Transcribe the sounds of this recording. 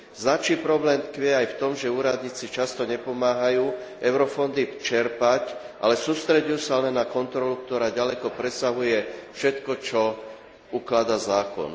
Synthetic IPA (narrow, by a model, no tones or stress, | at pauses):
znat͡ʃiːpɾɔblɛːmt̪kʋɪɛajft̪ɔmʒɛuːɾad̪ɲiːt͡sit͡ʃast̪ɔɲɛpɔmaːɦajuː | ʔɛʊɾɔfɔnd̪it͡ʃɛɾpac | ʔalɛsuːst̪ɾɛɟujusalɛnːakɔnt̪ɾɔlukt̪ɔɾaːɟalɛkɔpɾɛsaɦujɛfʃɛt̪kɔt͡ʃɔ | uklad̪azaːkɔ̰n